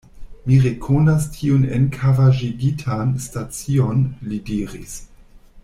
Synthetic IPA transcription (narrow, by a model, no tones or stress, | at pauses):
miɾekʰonastʰiunḛnkʰavaʒiɡitʰanstat͡sionlidiɾḭs